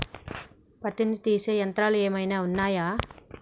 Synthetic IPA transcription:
pɐt̪init̪iːseːjɐnt̪ɾaːlueːmɐjnaːunːaːjaː

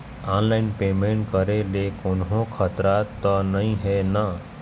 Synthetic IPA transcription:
anlaɪnpemẽɳʈ̚kəɾelekonɦõkʰət̪ɾat̪ːənəĩɦena

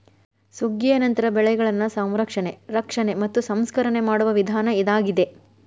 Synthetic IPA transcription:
suɡːijɐnɐnt̪ɐɾɐbɛɭɛɡɐɭɐnːɐsɐmɾɐkʂɐne̞ɾɐkʂɐne̞mɐt̪ːusɐmskɐɾɐne̞maːɽuʋɐʋid̪ʱaːnɐid̪aːɡid̪e̞

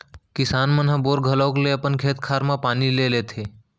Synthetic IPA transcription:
kɪsaːnmənɦãboːɾɡʱələːkleəpənkʰeːt̪kʰaːɾmãpaːnileːleːt̪ʰeː

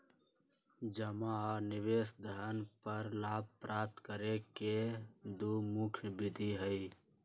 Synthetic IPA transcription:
d͡ʒəmanɪʋesd̪ʱəɾənpəɾlaːb̚ʱpɾʔap̚t̪kəɾeked̪umukʰjbɪd̪ʱiɦəɪ

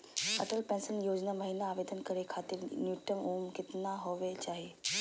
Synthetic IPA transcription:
ɐ̰ʈəlpɛ̃ːnsənjoːd͡ʑnamɐɦiːnaːʋeːd̪ənkəɾekʰaːt̪ɪɾnjuːʈəmuːmkɪt̪naɦoʋet͡ɕaːɦe

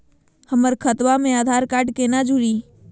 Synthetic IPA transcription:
həməɾkʰət̪ʋamẽaːd̪ʱaːɾkaːɾʈkenad͡ʒʱʊɽiː

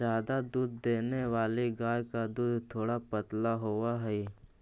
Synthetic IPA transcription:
jaːd̪ad̪uːd̪̚ʱːeːneʋaːleɡaːjkad̪uːd̪t̪ʰoːɽapət̪laɦoːaɦɛi

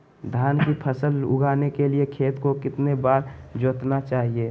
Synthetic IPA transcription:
d̪ʱaːnkipʰəsəlʊ̰ɡʱaːnekeliekʰeːt̪kokɪt̪nebaːɾ | d͡ʒoːt̪nat͡ʃaːɦie

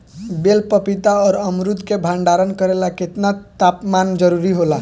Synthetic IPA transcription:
belpəpit̪aɔːɾəmɾud̪ʱkebʱãɳɖaɾənkəɾelaket̪nat̪apmand͡ʒəɾuɾiɦola

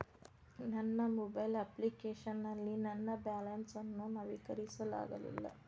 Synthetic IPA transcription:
nɐnːɐmɔbɐjlɐplikeːʃɐnːɐlːinɐnːɐbaːlɐnsɐnːunɐʋikɐɾisɐla̰ːɡɐlḭlːɐ̰

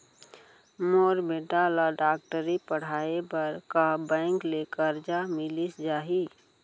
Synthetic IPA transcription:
moːɾbeːʈalaɖaːk̚ʈəɾipəɽ̤aːebəɾkabɛ̃ːŋkleːkəɾd͡ʒamɪlisd͡ʒaːɦi

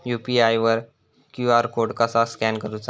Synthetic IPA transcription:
jupiajʋəɾ | kjuaɾkoɽkasaskɛnkəɾut͡sa

